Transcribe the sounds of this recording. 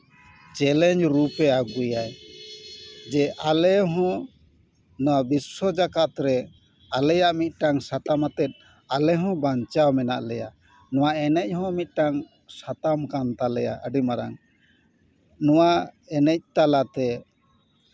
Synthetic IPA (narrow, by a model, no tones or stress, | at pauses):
t͡ʃɛlɛɲd͡ʒɾupɛaɡujaj | d͡ʒɛʔalɛɦɔ̃ | nɔwabisɔd͡ʒakat̪ɾɛ | alɛjaʔmit̪̚ˀʈaŋsat̪amat̪ɛt̪̚ˀ | alɛɦɔ̃baɲt͡ʃawmɛna̰ʔlɛja̰ | nɔwaɛnɛc̚ˀhɔ̃mit̪̚ˀʈaŋ | sat̪amkant̪alɛja̰əɖimaɾa̰ŋ | nɔwa | ɛnɛc̚t̪alat̪ɛ